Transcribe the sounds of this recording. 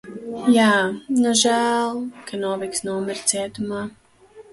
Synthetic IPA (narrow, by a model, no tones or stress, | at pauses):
jaːnuʒæːlˠkʰanuɔviksnuɔmɛɾt̪siɛt̪umaː